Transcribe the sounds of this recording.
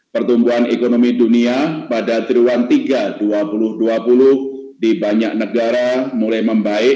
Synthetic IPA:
pərt̪umbuɦanekonomiduniapadat̪ɾiwant̪iɡaduapulʊhduapulʊh | dibaɲak̚nəɡaɾamulajməmbaɪʔ

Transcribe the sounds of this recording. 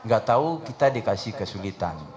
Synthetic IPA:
ŋɡaʔt̪aukit̪adikasihkəsulit̪a̰n

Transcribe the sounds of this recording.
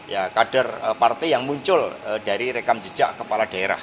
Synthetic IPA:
jakad̥arəpart̪ijaŋmuɲt͡ʃʊldaɾiɾekamd͡ʒə̥d͡ʒaʔkəpalad̥aeɾa̰h

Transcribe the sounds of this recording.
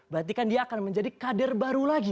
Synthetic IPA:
bəɦat̪̬ikandiaːkanməɲd͡ʒadikadərbaɾulaɡi

